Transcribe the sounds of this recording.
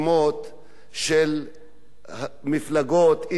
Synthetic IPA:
mot̪ | ʃel | miflaɡot̪i

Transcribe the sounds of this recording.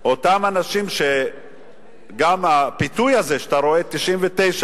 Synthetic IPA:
o̞t̪amanaʃimʃe̞ | ɡamapitujaze̞ʃat̪aɾo̞e̞t̪iʃʔimvet̪e̞jʃa

